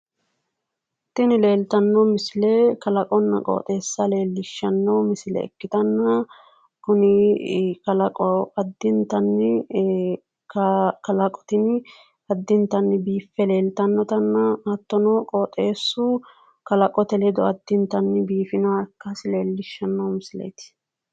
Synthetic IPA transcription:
t̪ːɪnɪle̞ːlt̪ɐnːɔmɪsɪlekɐlɐkʼɔnːɐ̰kʼo̰ːt̪ʼe̞ːsːɐle̞ːlːɪʃːɐnːɐwmɪsɪlɛ̰ɛ̰kːɪt̪ɐnːɐ | kʊnɪkɐlɐkʼɔɐd̪ːɪnt̪ɐnːɪ | kɐkɐlɐkʼɔ̥t̪ɪn | ɐd̪ːɪnt̪ɐnːɪbiːfːɛle̞ːlt̪ɐnːɔt̪ɐnːɐɐt̪ːɔnɔkʼoːt̪ʼeːsːʊ | kɐlɐkʼɔt̪ɛlɛd̪ɔɐd̪ːɪnt̪ɐnːbiːfɪnɐkːɐsɪle̞ːlːɪʃːɐnːɐwmɪsɪlḛjt̪ɪ̥

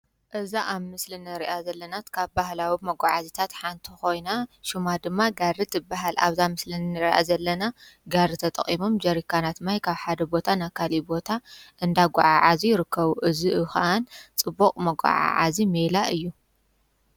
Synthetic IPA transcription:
ʔɨzaʔaβmɨslinɨɾiʔazɐlːɐnat̪kʰaβbahlawimɐɡʷʼaʕazit̪ʰat̪ħant̪ʰixo̞jnaʃumad̪ɨmːaɡaɾit̪ɨbaɦala̰βzamɨslinːɨɾʔa̰zɐlːɐna | ɡaɾɨt̪ʰɐt̪ʼɐ̰χʼimomd͡ʒɐɾikʰːanat̪majkʰaβħad̪ɐbo̞t̪ʰanakʰalibo̞t̪ʰaʔɨnd̪aɡʷaʕaʕazijɪɾɨkʰːɐβuʔɨziʔɨxaʔant͡sʼɨbːoqʼmɐɡʷʼa̰ʕa̰ʕa̰zimelaʔɨjːu

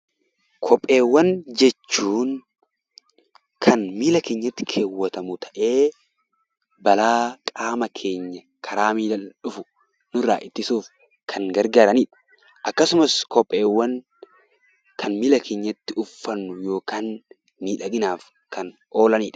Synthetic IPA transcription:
kʰɔpʼːe̞ːwːɐnd͡ʒɛt͡ʃːuːŋ | kʰɐnmiːlɐkeːɲːɐt̪ːɪ̥kʰe̞ːwːɐt̪ɐmʊt̪ʰɐ̥ʔe̞ː | bɐlaːkʼaːmɐkʰe̞ːɲːɐ | kʰɐɾaːmiːlɐᶑʊfʊ̥ | nʊɾa̰ːʔɪt̪ːɪsuːf | kʰɐŋɡɐɾɡaːɾɐniːᶑɐ̥ | ʔɐkːɐsʊmɐskɔpʼːe̞ːwːɐn | kʰɐnmilɐkʰe̞ːɲːɐt̪ːɪʊfːɐnːʊjo̞ːkaːnː | iːᶑɐɡɪnaːf | kʰɐn | o̞ːlɐniːᶑɐ̥

